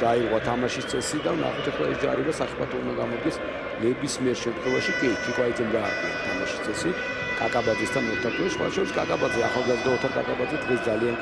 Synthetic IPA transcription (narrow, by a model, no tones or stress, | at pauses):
d̪aiɾʁwat̪ʰamaʃist̪sʼɛsid̪avna̰χɛt̪ʰɛχlˠaɛsd͡ʒaɾid̪asaχipʰat̪ʰɔũnd̪aɡamɔd̪̚ɡɛs | nɛbismiɛɾʃɛmt̪ʰχwɛvaʃikʼik̪ʰikʼwaid̪zɛmd̪aːɾqʼina̰t̪ʰamaʃist̪ʼɛsi | kʼakʼabad̪zist̪ʰanɔt̪ʰaɾkʼisχwa̰t̪ʰaʃɔɾiskʼakʼabad̪zɛaχalˠɡazɾaɔt̪ʰaɾkʼa̰kʼabad̪zɛd̪ʁɛsd̪zalian